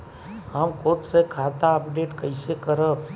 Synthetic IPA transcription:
ɦəmkʰʊt̪sekʰaːt̪aəpɖeːʈkəɪsekəɾə

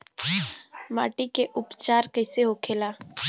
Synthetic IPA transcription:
ma̰ːʈikeʔʊpt͡ʃaːɾkəɪseɦokʰeːlaː

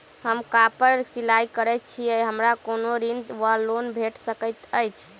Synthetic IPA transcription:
həmkapəɾsilajkəɾɛt̚t͡ʃʰijɛɦəmɾakonoɾind̪ʋəɾlonbʱeʈsəkəjt̪əjt͡ʃʰ

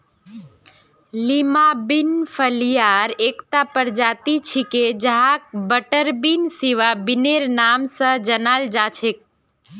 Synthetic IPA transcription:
limabinfʰəlijaɾeːkt̪apəɾd͡ʒaːt̪it͡ʃʰiked͡ʒəɦak̚bəʈəɾbinsiʋabɪneɾnaːmsə̃d͡ʒənald͡ʒaːt͡ʃʰek̚

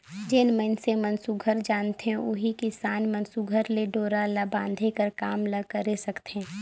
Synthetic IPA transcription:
d͡ʒɪnməɪnsemɐ̃nsuɡʱəɾd͡ʒaːnt̪eɛ̃ʊ̰ɦikɪsaːnmɐ̃nsuɡʱəɾleɖoːɾalabãːnd̪ʱekɐɾkaːmlɐɡkɐɾesɐkt̪eɦɛ̃ː

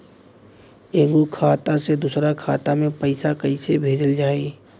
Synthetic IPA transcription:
ẽːɡukʰaːt̪ased̪uːsɾakʰaːt̪amẽpəɪsakɐɪsebʱeːd͡ʒəld͡ʒaːe

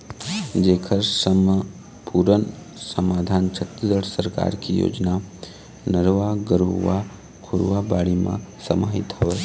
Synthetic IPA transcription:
d͡ʒeːkʰəɾsəm | puːɾən | səmaːd̪ʱaːnt͡ʃʰət̪ɾəd̪əɽsəɾka̰ːɾkijo̰ːd͡ʒna | nəɾʋaɡəɾuʋa | kʰʊɾʋabaːɽimã̰sɐmaːɦɪt̪ɦɔʋe

